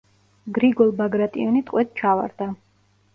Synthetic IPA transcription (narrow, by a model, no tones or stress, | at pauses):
ɡɾiɡɔlˠbaɡɾat̪ʼḭɔnit̪ʼqʼwɛt̪̚ʰt͡ʃʰava̰ɾd̪a